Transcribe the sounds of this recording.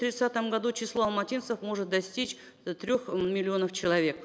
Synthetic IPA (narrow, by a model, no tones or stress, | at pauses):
t̪ɾʲɪt̪sat̪əmɡɐd̪ut͡ɕɪslˠo̞ɐlˠmɐtʲint̪səfmo̞ʐɨt̪̚d̪ɐsʲtʲit͡ɕ | t̪ɾʲo̞xmʲɪlʲɪo̞nəft͡ɕɪlˠɐvʲe̞k̚